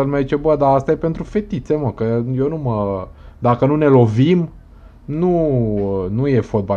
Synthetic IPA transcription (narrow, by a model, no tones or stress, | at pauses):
əlmajzit͡ʃe̞bəd̪aast̪aje̞pe̞nt̪ɾufe̞t̪it̪se̞məkəjenuməd̪akənune̞lo̞vim | nuənuje̞fo̞t̪̚ba